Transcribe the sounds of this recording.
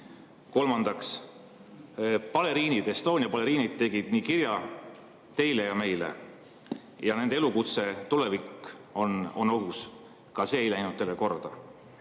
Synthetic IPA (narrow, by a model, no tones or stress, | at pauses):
ko̞lmɑnd̪̥ɑks | pɑle̞ɾiːnid̪̥est̪o̞ːnʲjɑpɑleɾiːnid̪̥̚t̪e̞ɡ̥id̪̥niːkiɾjɑ | t̪e̞jlejɑme̞jlḛ | jɑne̞nd̪eelukut̪se̞t̪ule̞vikːo̞no̞nːo̞ɦus | kɑse̞ːjlæjnud̪̥t̪ːelːeko̞rd̪̥ɑ